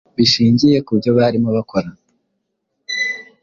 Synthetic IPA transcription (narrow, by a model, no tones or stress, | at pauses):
βiʃiːɲɟije̞kubjo̞βaɾimoβakʰo̞ɾa